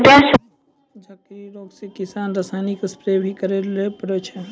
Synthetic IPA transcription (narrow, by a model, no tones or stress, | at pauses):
d̪es | d͡ʒakiɾoɡsekisanɾəsajnikspɾebʱikəɾelepəɾɛt͡ʃʰɛ